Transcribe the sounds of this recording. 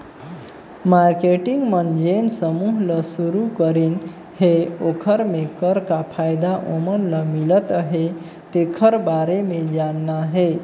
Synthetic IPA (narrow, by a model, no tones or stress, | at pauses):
maɾkeʈiŋɡmənd͡ʒensəmuɦləsuɾukəɾin | heokʰəɾmekəɾkapʰajd̪aʔomənləmilət̪əɦe | t̪ekʰəɾbaɾemed͡ʒanːaɦe